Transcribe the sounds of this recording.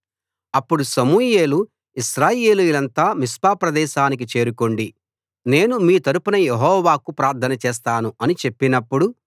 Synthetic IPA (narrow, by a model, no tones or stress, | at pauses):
ɐpːuɽusɐmuːje̞ːlu | iʃɾaːje̞ːlujulɐnt̪aːmispaːpɾɐd̪ɛːʃaːnik̬it͡ʃe̞ːɾuko̞ɳɖi | ne̞ːnumiːt̪ɐɾupunɐjeɦɔːʋaːkupɾaːɾt̪ʰɐnɐt͡ʃɛːs̬t̪aːnuɐnit͡ʃe̞pːinɐpːuɽu